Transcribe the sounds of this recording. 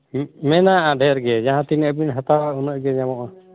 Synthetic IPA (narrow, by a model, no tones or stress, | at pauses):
mɛnaʔaɖʱɛɾɡɛd͡ʒaɦãt̪inəʔbinɦat̪aɾaunɔʔɡɛɲamɔʔa